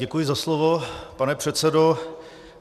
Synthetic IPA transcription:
ɛkujɪzaslovopanɛpr̝̥ɛt̪sɛdo

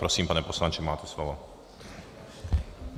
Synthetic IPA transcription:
pɾɔsimpanɛpɔslˠanɲʲt͡ʃɛmaːt̪ɛslɔvɔ

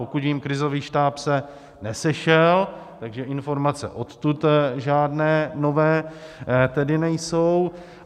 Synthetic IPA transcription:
okut̪jimkɾɪzo̞viːʃt̪aːpsɛ | nɛsɛʃɛlt̪aɡʒɛʔɪnfo̞ɾmat͡sɛ̰ʔo̞t̪t̪ut̪ʒaːdnɛːno̞vɛː | t̪ɛdɪnɛjso̞w

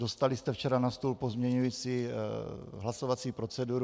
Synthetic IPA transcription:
dost̪alist̪ɛft͡ʃɛɾanast̪ulpozmɲɛɲujit͡siː | ɦlaso̞vat͡siːpɾo̞t͡sɛduɾ

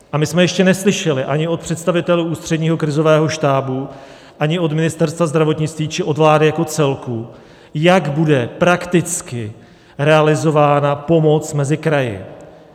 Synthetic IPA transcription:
ʔamɪsmɛjɛʃcɛnɛslɪʃɛlɪʔaɲɪo̞t̪̚pr̝̥ɛt̪st̪avɪt̪ɛluːʔuːst̪r̥ɛdɲiːɦo̞kɾɪzo̞vɛːɦo̞ʃt̪aːbu | ʔaɲɪo̞t̪mɪnɪst̪ɛɾst̪vazd̪ɾavo̞t̪ɲɪt͡st̪viːt͡ʃɪʔo̞dvlaːdɪjako̞t͡sɛlku | jaɡbudɛpɾakt̪ɪt͡skɪ | ɾɛalɪzo̞vaːnapo̞mo̞t͡smɛzɪkɾajɪ̰

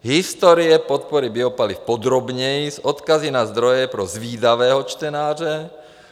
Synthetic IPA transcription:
ɦist̪ɔɾiɛpɔt̪̚pɔɾibiɔpalifpɔd̪ɾɔbɲɛjzɔt̪kazinazd̪ɾɔjɛpɾɔzʋiːd̪aʋɛːɦɔt͡ʃt̪ɛnaːrɛ

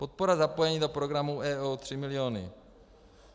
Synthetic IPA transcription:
po̞t̪̚poɾazapo̞jɛɲiːdo̞pɾo̞ɡɾamuʔɛːut̪r̝̥ɪmɪlɪoːnɪ̰

